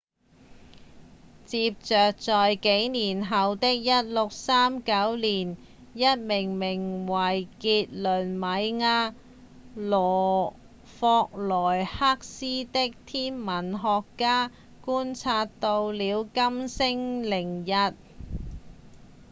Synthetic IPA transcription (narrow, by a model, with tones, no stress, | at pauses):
t͡siː˧p̚t͡sœː˨k̚t͡sɔː˨jke˨˥jniː˨˩nɦɐ˨wt̪ɪ˥k̚jɐ˥t̚lʊ˨k̚saː˥mkɐ˨˥wliː˨˩n | jɐ˥t̚mɪ˨˩ŋmɪ˨˩ŋwɐ˨˩jkiː˧t̚lɵ˨˩nmɐ˨˧jŋaː˧ | lɔː˨˩ | fɔː˧k̚lɔː˨˩jhaː˥k̚siː˥t̪ɪ˥k̚t̪ʰiː˥nmɐ˨˩nɦɔː˨kːaː˥ | kuː˥nt͡sʰaː˧tt̪o˧wliː˨˧wkɐ˥msɪ˥ŋlɪ˨˩ŋjɐ˧t̚